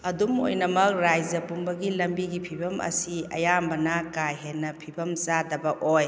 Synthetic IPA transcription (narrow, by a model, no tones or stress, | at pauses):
ɐdumo̰jnɐmɐk̚ɾajzɐpumbɐɡilɐmbiɡipʰibɐmɐ̰siɐ̰jambɐnakajɦenːɐpʰibɐmzadɐbɐʔoj